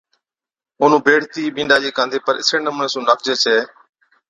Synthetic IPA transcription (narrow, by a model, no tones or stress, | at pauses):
oːn̤ũːbʱeːɽt̪iːbĩːɳɖaːd͡ʒeːkãːnd̪eːpəɾɪ̰seːnəmneːsũːnək̚d͡ʒeːt͡ʃʰeː